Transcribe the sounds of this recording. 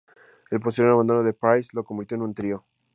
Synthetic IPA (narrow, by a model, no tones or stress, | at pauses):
elpost̪ienaβand̪o̞noðe̞pajslo̞ko̞mbiɾt̪joenũnt̪ɾio